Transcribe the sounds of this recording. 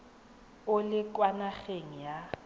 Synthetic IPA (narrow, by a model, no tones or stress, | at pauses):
ʊlɪkʼwanaɣeŋ̩ja